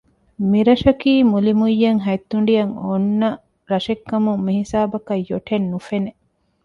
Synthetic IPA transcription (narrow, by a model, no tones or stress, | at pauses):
miɾɐʃɐkiːmulimujːɐŋɦɐjt̪ːuɳ̆ɖijɐŋonːɐ | ɾɐʃekːɐmumːihisaːbɐkɐjːoʈʰenːufene